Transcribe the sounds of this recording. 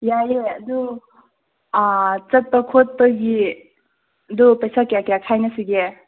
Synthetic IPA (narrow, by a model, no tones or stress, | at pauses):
jajeɐdu | t͡ʃɐt̚pɐkʰot̚pɐɡi | ɐdupejsakjakjakʰajnɐsiɡe